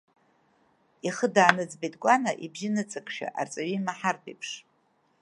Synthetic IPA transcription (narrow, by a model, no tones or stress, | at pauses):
iχədaːnɨd͡zbejtʼɡʷʼanaʔibʒinɨt͡sʼɨkʰʷʼʃᶣa̰ʔa̰rt͡sʼaɥimaħartʰḛjpʰʂ